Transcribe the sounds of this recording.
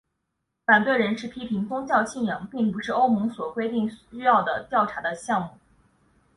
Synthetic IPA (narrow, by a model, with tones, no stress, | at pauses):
fa˨˩nt̪we˥˩ɪɻə˧˥nʂɻ̩˥˩pʰi˥pʰi˧˥ŋt͡sʊ˥ŋt͡ɕjɑ˥˧ʊt͡ɕʰi˥˩njɤ˧˥ŋpi˥˩ŋpu˧˥ʂɻ̩˥˩o˥ʊmɤ˧˥ŋswɔ˨˩kwe˥ɪt̪i˥˩ŋy˥jɑ˥˩ʊd̪ə˩t̪jɑ˥˩ʊʈ͡ʂʰa˧˥d̪ə˧ɕjɑ˥˧ŋmu˥˩